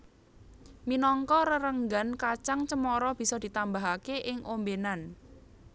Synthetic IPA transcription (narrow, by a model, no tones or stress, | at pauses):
minɔŋkɔɾəɾəŋɡankat͡ʃaŋt͡ʃəmɔɾɔb̥i̤sɔd̪̥it̪ambaɦakeʔɪŋʔombenan